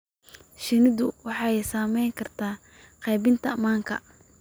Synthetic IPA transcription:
ʃɪnɪðʊwɑħɑjsaːmɛjŋkʰɐrt̪ʰaː | qɛjbɪnt̪ʰɐmaːŋkʰɐ̰

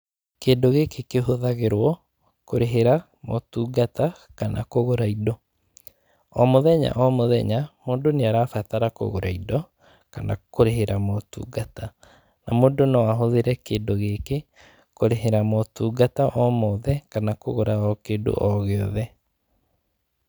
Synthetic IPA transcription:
keːndoɣekekeɦoðaɣeɾwɔ | koɾeɦeɾa | mo̰tuːɡatakanʔa̰koɣoɾaidɔ | ɔmoðɛɲa̰ʔɔmoðɛ̰ɲamoːndoneaɾafataɾako̰ɣoɾaidɔ | kana̰koɾeɦeɾamotṵːɡata | namoːdonɔwaɦoðeɾɛkeːndoɣeke | koɾeɦeɾamɔtuːɡataʔɔmɔðɛkanakoɣoɾaɔkeːdo̰ʔɔɣeɔðɛ

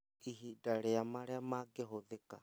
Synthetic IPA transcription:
iɦidaɾɛamaɾɛamaɡeɦoðeka

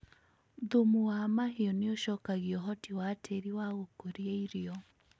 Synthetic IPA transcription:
ðomuwamaɦeɔneoʃɔkaɣiɔɦɔtiwatʰeɾiwaɣokoɾieiɾiɔ

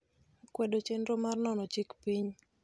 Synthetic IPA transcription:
kwɛdot͡ʃendomarnɔnɔt͡ʃikpiɲ

